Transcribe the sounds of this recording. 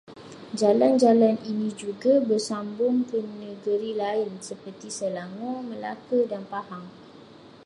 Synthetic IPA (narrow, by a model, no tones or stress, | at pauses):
d͡ʒaland͡ʒalaninĩd͡ʒuɡabərsambʊŋkənəɡəɾilaɪnsəpərt̪isəlaŋɔ̃məla̰kədanpahaŋ